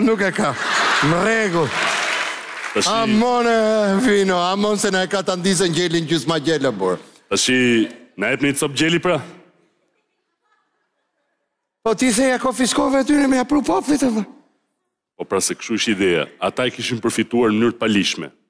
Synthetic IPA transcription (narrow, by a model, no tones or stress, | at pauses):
nukɛkamərɛɡulˠ | t̪aʃamɔnɛvinɔamɔnsɛnaɛkat̪and̪is̬ɛɲɟɛlinɟusmaɟɛlabɔɾ | t̪aʃinaɛpnit̪t͡sɔp̚ɟɛlipɾa | pɔt̪iθɛjakɔfiskɔvɛt̪̬ynɛmɛapɾupɔplˠit̪aðɛ | pɔpɾasɛkʃuʃt̪id̪ɛa̰a̰t̪aɛkiʃimpəɾfit̪uaɾmənyɾt̪əpaliʃmɛ̰